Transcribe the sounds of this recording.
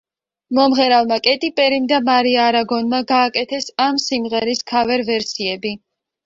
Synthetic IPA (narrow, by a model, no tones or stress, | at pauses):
mɔmʁɛɾalˠmakʼɛt̪ʼipʼɛɾimd̪amaɾiaːɾaɡɔnmaɡaːkʼɛt̪ʰɛsamsimʁɛɾiskʰavɛɾvɛɾsiɛbi